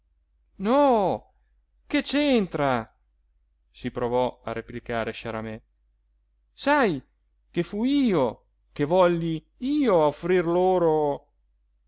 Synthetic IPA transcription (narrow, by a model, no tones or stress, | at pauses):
nɔ | ket͡ʃent̪ɾa | sipɾovɔa̰ɾeplikaːɾeʃaɾamɛ | saj | kefuiːo | kevɔʎːi | iːoaofɾirloːɾo